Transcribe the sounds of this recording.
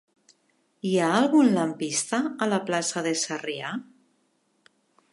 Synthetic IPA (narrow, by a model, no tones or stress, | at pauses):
iaːlˠɣunlampist̪aːlaplasaðesaria